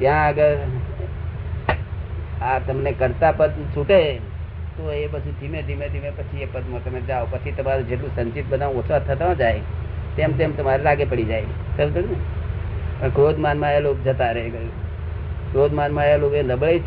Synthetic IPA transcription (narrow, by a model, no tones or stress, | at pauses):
t̪jãəɡəɾ | at̪əmnekəɾt̪apəd̪t͡ʃʰʊʈe | t̪oebəsʰut̪ʰimẽd̪ʱimẽt̪imẽpət͡ʃʰiepəd̪mõt̪ɐmẽd͡ʒaːopət͡ʃʰit̪ɐmaɾud͡ʒeʈlũsə̃nt͡ʃit̪bəd̪ãːot͡ʃʰat̪ʰət̪aãd͡ʒaːet̪eːmt̪emt̪ɐmaɾeɾaːɡepəɽid͡ʒaːeɡ | səbd̪əɽne | pəɳkɾoːd̪maːnmãjeloːkd͡ʒət̪aɾəɦeɡ | kɾoːd̪maːnmãjeloːɡeləbɭei